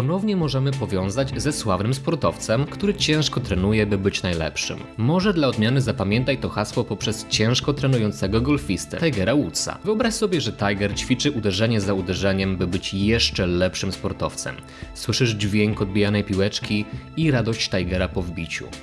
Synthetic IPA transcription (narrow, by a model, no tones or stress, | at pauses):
pɔnɔvɲɛmɔʐɛmɘpɔvʲjɔ̃w̃zad͡ʑzɛswavnɘmspɔɾt̪ɔft̪sɛmkt̪uɾɘt͡ɕɛ̃w̃ʂkɔt̪ɾɛnujɛbɘbɘt͡ɕnajlɛ̰pʂɘ̰mːɔʐɛd̪laɔd̪mʲjanɘzapamʲjɛnt̪ajt̪ɔxaswɔpɔpʂɛst͡ɕɛ̃w̃ʂkɔt̪ɾɛnujɔnt̪sɛɡɔɡɔlfʲist̪ɛ̰t̪ajɡɛɾawut̪sa̰vɨɔbɾaɕsɔbʲjɛʐɛt̪ajɡɛɾt͡ɕfʲit͡ʂɘʔud̪ɛʐɛɲɛzaud̪ɛʐɛɲɛmbɘbɘt͡ɕjɛʂt͡ʂɛlɛpʂɘmspɔɾt̪ɔft̪sɛ̰m | swɘʂɘʐd͡ʑvʲjeŋkɔd̪̚bʲijanɛjpʲiwɛt͡ʂkʲiiɾad̪ɔɕt͡ɕt̪ajɡɛɾapɔvbʲit͡ɕṵ